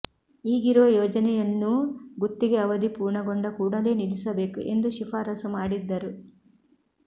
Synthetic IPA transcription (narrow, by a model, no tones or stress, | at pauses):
iːɡiɾoːjɔːd͡ʒɐnɛjɐnːuɡut̪ːiɡeɐʋɐd̪ipuːɾɳɐɡoɳɖɐkuːɽɐle̞ːnilisɐbe̞ːkuʔe̞nd̪uʃifʰaːɾɐsɐmaːɽid̪ːɐɾu